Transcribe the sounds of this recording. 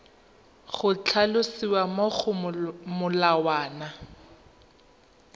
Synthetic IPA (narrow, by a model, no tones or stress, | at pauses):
χʊt͡ɬʰalʊsiwamoχʊmʊlawaːna